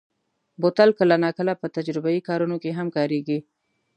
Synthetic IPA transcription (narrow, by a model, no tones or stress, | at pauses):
bot̪alkəlanakəlapət̪ad͡ʒɾɪbaikɑɾunokeɦamkɑɾeɡi